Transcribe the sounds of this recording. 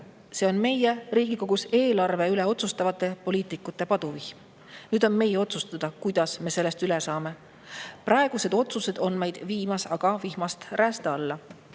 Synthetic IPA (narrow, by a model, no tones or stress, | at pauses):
se̞ːo̞nme̞jeriːɡ̥iko̞ɡ̥use̞ːlɑrve̞yle̞o̞t̪sust̪ɑvɑt̪ːˑe̞po̞liːt̪ˑikːˑut̪ːˑe̞pɑd̪̥uviçm | nyːd̪o̞nme̞jeo̞t̪sust̪ɑd̪̥ɑkujd̪̥ɑsme̞se̞lːest̪ylesɑːme̞ | prʔɑe̞ɡ̥use̞d̪̥o̞t̪suse̞d̪̥o̞nme̞jd̪̥viːmɑsɑɡ̥ɑvihmɑst̪ræːst̪eɑlːɑ